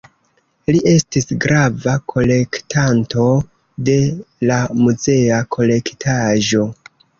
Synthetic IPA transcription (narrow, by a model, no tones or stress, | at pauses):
liʔe̞stisɡɾavakʰo̞le̞ktʰanto̞ | de̞lamuze̞akʰo̞le̞ktʰaʒo̞